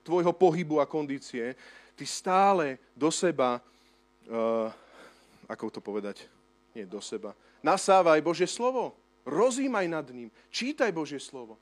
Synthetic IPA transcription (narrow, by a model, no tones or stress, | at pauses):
t̪ʋɔjɦɔpɔɦibuakɔnd̪iːt͡siɛt̪ist̪aːlɛ | d̪ɔsɛba | akɔt̪ɔpɔʋɛd̪ac | ɲɪɛd̪ɔsɛba | nasaːʋajbɔʒɪɛslɔʋɔ | ɾɔziːmajnad̪ɲim | t͡ʃiːt̪ajbɔʒɪɛslɔʋɔ